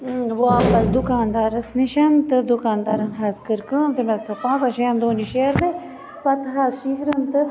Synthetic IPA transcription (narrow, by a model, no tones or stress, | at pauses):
ʋoaːpɐsd̪ukaːnd̪aːɾɐsniʃɐnt̪ɨd̪ukaːnd̪aːɾɐnɦaːskɨɾkəːmt̪ɨmɐst̪ʰɐpãːnt͡saʃeːɐnd̪oːniʃeɾme | pɐt̪ɦaːzʃiɦɾɐnt̪ɨ